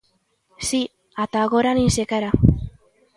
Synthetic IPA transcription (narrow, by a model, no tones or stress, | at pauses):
si | at̪aɣoɾaninsekaɾa